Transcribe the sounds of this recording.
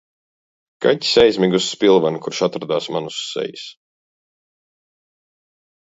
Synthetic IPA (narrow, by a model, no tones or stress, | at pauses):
kaci̥sɛjzʲmʲiɡusːpʲilˠvankuɾʃat̪ɾad̪aːsmanusːɛ̰jis